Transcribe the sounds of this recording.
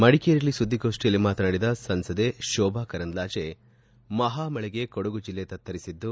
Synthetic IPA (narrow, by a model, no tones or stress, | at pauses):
mɐɽikejɾiɐlːisud̪ʱːikoːʂʈijɐlːimaːt̪ɐnaːɽid̪ɐsɐnsɐd̪eʃɔːbʱaːkɐɾɐnd̪laːd͡ʒe | mɐɦaːmɐɭɛɡe̞kɔɽuɡud͡ʒilːet̪ɐt̪ʰːɐɾisid̪ːu